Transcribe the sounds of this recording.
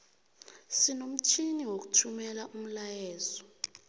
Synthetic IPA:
sinom̩t͡ʃʰiniwok̬u̥tʰumɛlaʔum̩lajɛːzɔ

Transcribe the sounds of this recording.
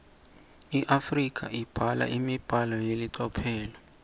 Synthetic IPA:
iʔafrikʰaib̥ʱala̰ʔimib̥ʱalɔjeliǀɔpʰɛːlɔ

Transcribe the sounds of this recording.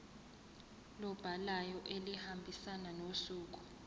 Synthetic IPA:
lɔb̥ʱalajɔʔelihambʱisananosuːk̬u̥

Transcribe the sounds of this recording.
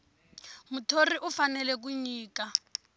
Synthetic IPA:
mutʰoriʔʊfanɛlɛk̬uɲiːka

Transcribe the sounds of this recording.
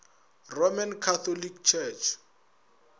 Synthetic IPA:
romankʰat̪ɔlikt͡ʃʰɛt͡ʃʰ

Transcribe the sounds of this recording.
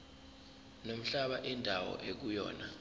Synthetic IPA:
nom̩ɬaɓaʔindʱawɔ̰ʔek̬ujɔ̰ːna

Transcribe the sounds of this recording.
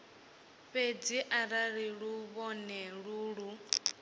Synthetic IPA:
ɸed͡ziʔaɾaɺiɺuβɔnɛɺuːɺu

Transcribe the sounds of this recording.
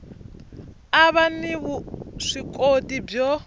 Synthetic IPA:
aβaniβuʂikʼodib͡ʐɔ

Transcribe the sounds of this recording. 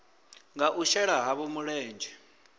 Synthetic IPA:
ŋaʔuʃɛɺaɦaβɔmuɺɛːnd͡ʒʱɛ

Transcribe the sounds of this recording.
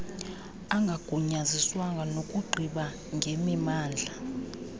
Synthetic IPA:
aŋɡʱaɡ̥ʱuɲaziswaŋɡʱanokʼuɡ͡ǃʱiɓa | ŋʱemimaːnd͡ɮʱa

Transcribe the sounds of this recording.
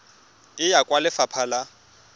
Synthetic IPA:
ɪjakʼwalɪfapʰala

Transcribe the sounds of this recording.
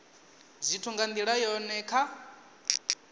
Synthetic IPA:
d͡zʷitʰuŋɡand̪iɺajɔnɛkʰa

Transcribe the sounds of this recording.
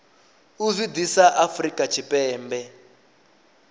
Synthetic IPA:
uzidisaʔafrikat͡ʃʰipɛːmbɛ

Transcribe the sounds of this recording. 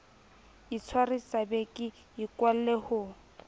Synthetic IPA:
it͡sʰwarisabekʼɪ | jikwal̩lehʊ

